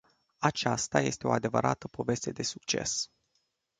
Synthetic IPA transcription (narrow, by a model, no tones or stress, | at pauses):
at͡ʃast̪aje̞st̪e̞o̞ad̪e̞vəɾʔat̪əpo̞ve̞st̪e̞d̪e̞suk̚t͡ʃe̞̰s